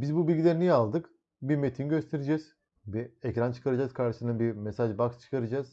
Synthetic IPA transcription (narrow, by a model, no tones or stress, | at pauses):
bizbubilʲɟʲilʲeɾinijalˠd̪ɯk | biɾmet̪ʰinɟø̞st̪ʰe̞ɾed͡ʒɛz̥ | biɛcɾant͡ʃʰɯ̥kʰaɾad͡ʒazkʰaɾʃɯsɯnabiɾmesaʒbakst͡ʃʰɯ̥kʰaɾad͡ʒaz̥